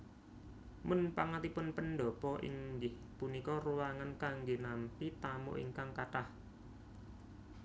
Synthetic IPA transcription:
mʊnpaŋat̪ipʊnpənd̪ɔpɔʔḭŋɡɪh | punikɔruwaŋankaŋɡenampit̪amṵʔḭŋkaŋkaʈah

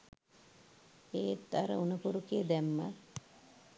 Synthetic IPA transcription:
eːt̪ːaɾə̰unəpuɾukiːd̪æmːə

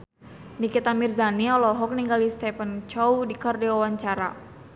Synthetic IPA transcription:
nikit̪amirzaniɔlɔɦɔk̚niŋɡalist̪ɛpənt͡ʃɔwdikɔrdiwawaɲt͡ʃaɾa̰

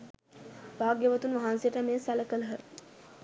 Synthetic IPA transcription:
ʋaːɡjəʋət̪unʋaɦansijəʈəmeːsæləkələɦə

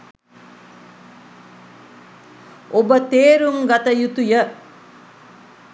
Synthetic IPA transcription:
obət̪eːɾuŋɡat̪əjut̪ujə

